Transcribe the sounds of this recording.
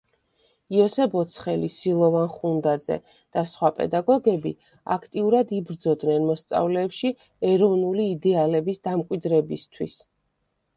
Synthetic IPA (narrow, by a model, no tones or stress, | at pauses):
iɔsɛbɔt̪sʰχɛlisilˠɔvanχund̪ad̪zɛ̰ | d̪̥asχwapʼɛ̰d̪aɡɔɡɛbi | a̰kʰt̪ʼiuɾad̪ibɾd̪zɔd̪nɛnmɔst̪sʼa̰vlɛːpʃi | ɛɾɔvnuliːd̪ɛalɛbisd̪amkʼwid̪ɾɛbist̪ʰwis